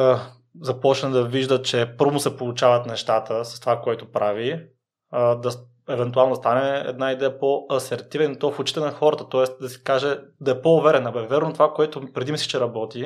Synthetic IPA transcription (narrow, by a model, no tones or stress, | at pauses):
zɐpɔt͡ʃnɛd̪ɐviʒd̪ət͡ʃɛpɤɾvʊsɛpolˠut͡ʃavɐt̪nɛʃt̪at̪əsɐ̥st̪ovakoɛt̪opɾavi | d̪ɐ | ɛvɛnt̪ualˠnod̪ɐst̪anɛɛ̰d̪naid̪ɛəpoɐsɛɾt̪ivɛnit̪ɔfʊt͡ʃi̥t̪ɛnɐxɔɾɐt̪ət̪ɔɛst̪d̪ɐsɛ̥kaʒɛd̪ɐɛpoʊvɛɾɛnɐbɛvɛɾnot̪ovakoɛt̪ʊpɾɛd̪imisi̥t͡ʃɛɾɐbɔt̪i